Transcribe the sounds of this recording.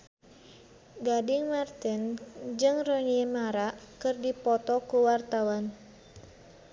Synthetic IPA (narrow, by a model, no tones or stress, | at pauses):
ɡadɪŋmart̪ɪnd͡ʒɨŋrɔniɛmaɾaʔkɨrdipɔt̪ɔkuwart̪awan